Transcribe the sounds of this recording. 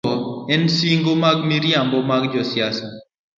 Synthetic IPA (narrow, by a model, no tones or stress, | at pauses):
ɔɛnsiŋɡomaɡmiɾjambɔmaɡd͡ʒɔsɪasɔ